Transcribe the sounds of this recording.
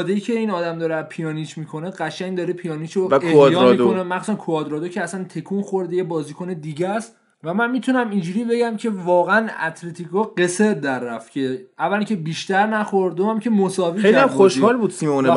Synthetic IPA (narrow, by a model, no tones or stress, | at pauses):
d̪ejicʰe̞iːnɒːd̪æmd̪ɒːɾepʰijɒːnit͡ʃʰmiːkʰo̞neɢæʃæŋd̪ɒːɾepʰijɒːnit͡ʃʰoejɒːmiːonemæxsu̥sænkʰoɒːd̪ɾɒːd̪okcʰeæsænt̪ʰe̞kʰunxo̞ɾd̪ejebɒːziːkʰoned̪iɟæst̪ | væmænmiːt̪ʰunæmind͡ʒuːɾiːbe̞ɟæmcʰe̞vɒːɣeænæ̰t̪ʰlet̪ʰikɒɢe̞seɾd̪æɾːæft̪cʰe̞ævːæliŋcʰe̞biːʃt̪æɾnæxoɾd̪d̪omæmcʲʰe̞mosɒːviːejliæmoʃhɒːlbuːd̪̥simeon